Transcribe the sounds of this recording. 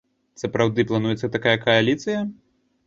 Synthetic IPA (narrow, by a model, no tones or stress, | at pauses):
sɐpɾawd̪ɨplˠanujɛt̪sːɐt̪akajɐkɐjalʲit̪sɨjɐ